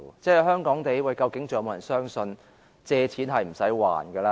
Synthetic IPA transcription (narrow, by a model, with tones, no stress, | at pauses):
t͡sɛː˥˩hœː˥ŋkɔː˨˥ŋt̪e˨jwɐ˨˧jkɐ˧wkɪ˨˥ŋtt͡so˨jmoː˨˧jɐ˨˩nsœː˥ŋsɵ˧n | t͡sɛː˧t͡sʰiː˨˥nɦɐ˨jm̩˨˩sɐ˨˥jwa̰ː˨˩nɡəː˧laː˧